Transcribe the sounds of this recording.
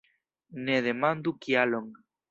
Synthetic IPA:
neðemãnd̪ukialoŋ

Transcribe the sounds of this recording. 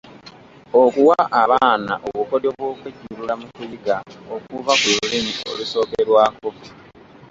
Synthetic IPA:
okuwaʔaβaːna̰ʔoβukodoβwoːkweciɾulamukujiɡaokuvakuɾulimio̞̰luso̞ːkeɾwaːko̞

